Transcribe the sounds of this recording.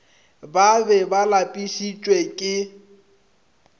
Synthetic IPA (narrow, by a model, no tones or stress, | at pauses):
babɛbalapʼiʃit͡ʃʼwekʼɪ